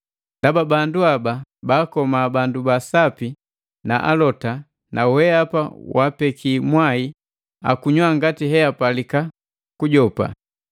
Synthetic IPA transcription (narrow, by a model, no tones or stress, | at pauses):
d̥ababanduababaːkɔmaːbandubasapi | naʔa̰lɔta | nʔawɛapa̰wʔapɛkʰimwai | a̰kuɲwaŋɡatiɦɛapalika | kuɟɔpa̰